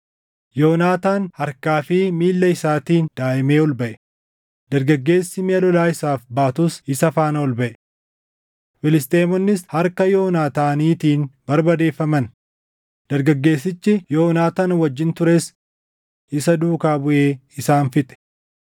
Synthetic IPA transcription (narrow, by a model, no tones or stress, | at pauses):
jo̞ːnaːt̪aːnhɐɾkaːfɪmiːlːɐɪsaːt̪iːnd̪̥aːʔɪmeːɔlbɐʔɛ | d̪̥ɐɾɡɐɡːe̞ːsːɪmeɐlɔlaːɪsaːfbaːt̪ʊsɪsɐfaːnɐɔlbɐʔɛ | fɪlɪst̪eːmɔnːɪshɐɾkɐjo̞ːnaːt̪aːniːt̪iːnbɐɾbɐd̪e̞ːfːɐmɐn | d̪̥ɐɾɡɐɡːe̞ːsːɪt͡ʃːɪjoːnaːt̪aːnwɐd͡ʒːɪnt̪ʊɾeːs | ɪsɐd̪uːkaːbʊʔe̞ːɪsaːnfɪt̪ʼɛ̥